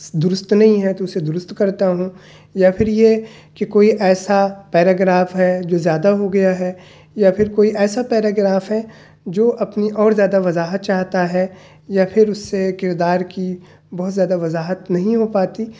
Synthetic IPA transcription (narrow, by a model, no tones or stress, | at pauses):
d̪ʊɾʊst̪nɐɦĩɦɛt̪oʊsed̪ʊɾʊst̪kɐɾt̪aɦũ | japʰɪɾje | kekoːiʔɛːsapɛːɾaːɡɾaːfɦɛd͡ʒoːzjaːd̪aɦoɡɐjaɦɛː | japʰɪɾkoːiʔɛːsapɛːɾaːɡɾaːfɦɛ | d͡ʒoːʔɐpniʔɔːɾzjaːd̪aʋɐzaːɦət̪̚t͡ʃaːɦt̪aɦɛ | japʰɪɾʊsːekɪɾd̪aːɾki | bɔɦʊt̪zjaːd̪aʋɐzaːɦət̪nɐɦĩɦopaːt̪i